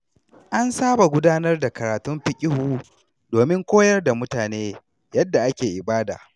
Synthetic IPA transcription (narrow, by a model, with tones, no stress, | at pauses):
ʔa˦nsaː˦ba˨ɡʷʊ˦daː˦nɐ˦rda˨kɐ˨ɾaː˨tʊ˦mɸɪ˦kʲʼɪ˦huː˦ | doː˨mɪ˦ŋkʷoː˦jɐ˦rda˨mʊ˦taː˨neː˦ | jɐ˦dːa˨ʔa˦kʲeː˨ʔɪ˨baː˦da̰ː˨